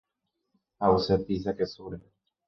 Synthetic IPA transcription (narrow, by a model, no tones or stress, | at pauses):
awsep̪is̬akesuɾe